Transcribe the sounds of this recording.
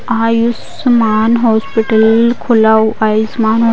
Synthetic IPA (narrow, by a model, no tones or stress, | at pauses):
aːjus | maːnɦoːspiʈəlkʰʊlaːuʔaːismaːnɦoː